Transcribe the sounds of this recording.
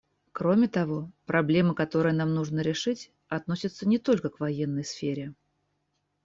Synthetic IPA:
kɾo̞mʲɪt̪ɐvo̞pɾɐblʲe̞məkɐt̪o̞ɾɨjənamnuʐnəɾʲɪʂɨtʲ | ɐt̪no̞sʲɪt̪sənʲɪt̪o̞lʲkəkvɐjenːəjsfʲeɾʲɪ

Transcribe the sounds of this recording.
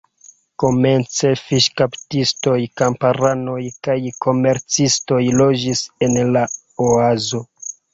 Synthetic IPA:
ko̞me̞nt͡se̞fiʃkaptisto̞jkampaɾano̞jkajkʰo̞me̞ɾt͡sisto̞jlo̞d͡ʒise̞nla | oazo̞

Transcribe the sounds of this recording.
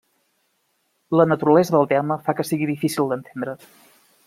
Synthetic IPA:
lənət̪uɾəlɛzəðəlˠt̪ɛməfakəsiɣiðifisilˠd̪ənt̪ʰend̪ɾə

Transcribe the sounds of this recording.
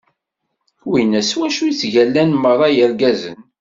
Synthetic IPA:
winæswæʃujt͡sːʝælːænmərˤːɑjəɾɡæzə̰n

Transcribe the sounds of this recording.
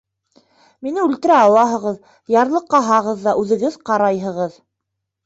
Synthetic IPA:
minɘʉlt̪ɘ̆ɾæɑlˠɑɦɤ̆ʁɤð | jɑɾlˠɤqːɑɦɑʁɤðːɑʔʉðɘ̆ɣɘðqɑɾɑjɦɤ̆ʁɤð

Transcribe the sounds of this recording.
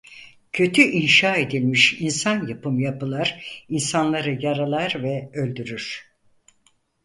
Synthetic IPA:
cʰø̞t̪ʰyʔinʃaːe̞d̪ilʲmiʃinsanjapɯmjapɯlˠaɾinsanlˠaɾɯjaɾalˠaɾvɛø̞lʲd̪yɾyɾ̥

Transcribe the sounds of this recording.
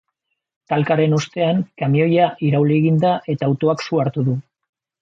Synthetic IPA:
t̪alkaɾe̞nost̪e̞aŋkamio̞jaʔiɾawleɣind̪aʔe̞t̪aːwt̪o̞aksuaɾt̪uðu

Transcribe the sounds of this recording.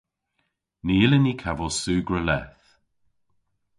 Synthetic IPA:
niɪlənikʰavɔsuːɡɹəlɛ̰θ

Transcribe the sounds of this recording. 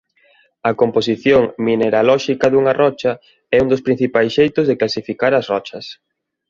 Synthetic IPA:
ɐkompos̬iθjoŋmineɾalɔʃikɐðuŋɐrɔt͡ʃɐ | ɛund̪ospɾin̟θipajsʃejt̪ʊzðeklasifikaɾɐsrɔt͡ʃɐs

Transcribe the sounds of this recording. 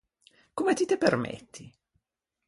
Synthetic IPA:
komet̪it̪epermḛt̪ʰːi

